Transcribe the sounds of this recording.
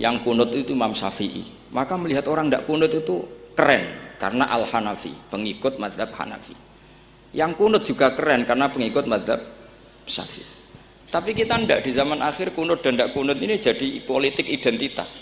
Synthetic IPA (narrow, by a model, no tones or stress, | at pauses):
jaŋkunʊt̪it̪uimamsa̰fiʔḭ | makaməliɦat̪oɾaŋɳda̰ʔkunʊt̪it̪ukəɾɛnka̰rəna̰ʔa̰lhanafḭpəŋikʊt̪̚mad̪lap̚ha̰na̰fḭ | jaŋkunʊt̪̚ʒ̥uɡakəɾɛnkarnapəŋikʊt̪̚mad̪la̰p̚ | sa̰fḭʔi | t̪apikit̪andaʔd̥izamanʔaxɪrkunʊt̪̚d̥̪andaʔkunʊt̪inid͡ʒ̥ad̥ipolit̪ɪkid̥ɛnt̪it̪a̰s